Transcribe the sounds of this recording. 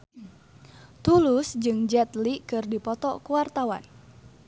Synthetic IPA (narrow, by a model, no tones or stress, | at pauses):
t̪ulusd͡ʒɨŋd͡ʒɛt̪likɨrdipɔt̪ɔkuwart̪awa̰n